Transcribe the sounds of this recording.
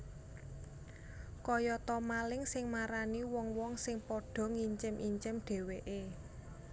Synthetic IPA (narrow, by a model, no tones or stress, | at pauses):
kɔjɔt̪ɔmalɪŋsɪŋmaɾaniwɔŋwɔŋsɪŋpɔɖ̥ɔ̤ŋiɲt͡ʃɪmʔiɲt͡ʃɪmɖ̥e̤weʔe